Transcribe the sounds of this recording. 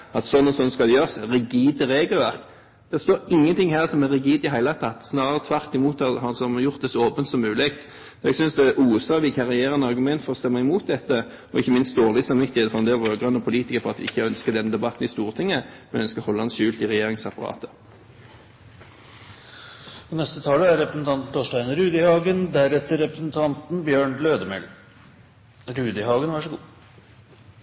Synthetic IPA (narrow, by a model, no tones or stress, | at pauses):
ɑt̪sɔnːɔsɔnːskɑld̪ɛjøːʁsʁɪɡiːd̪əʁeːɡəlʋæʁk | d̪̥ɛst̪oːɾɪŋːənt̪ʰɪŋhæːʁsɔmɛʁɪɡiːd̪ɪɦæɪlɑt̪ʰɑt̪snɑːəʁət̪ʰʋæɾt̪ɪmuːt̪ɑhɑnsɔmjʊʁt̪̚d̪ɛsɔoːpənt̪sɔmːʉːlɪkt̪ | ɛɡsʏnsd̪ɛʔuːsɑʋɪkʰɑʁɪjeːʁənɑʁɡʉmɛnt̪fɔʁɔst̪ɛmːɑɪmuːt̪̚d̪ɛt̪ːə | ɔɪçːəmɪnst̪̚d̪oːʁlɪsɑmʋɪt̪ːɪɛd̪ɛfɔʁɛnd̪eːlʁøːɡʁœnːəpʰʊliːt̪ɪkəʁfɔʁɑt̪ʋɪɪçːəœnskəd̪ɛnd̪ɛbɑt̪nɪst̪uːʁt̪ʰɪŋːəmɛnœnskəhɔlːəɑnʃʉːlt̪ɪʁɛjeːʁɪŋsɑpɑʁɑ̰ːt̪ə | ɔnɛst̪ət̪ʰɑːləæɾɾɛpɾəsn̩t̪ʰɑnt̪n̩t̪ʰoːʂʈæɪnəɾʉːd̪ɪhɑːɡənd̪æɾɛt̪ːəɾɛpɾəsnt̪ʰɑnt̪n̩bjøːɳløːd̪əmɛ̰l | ɾʉːd̪ɪhɑːɡənʋɑʂɔɡuː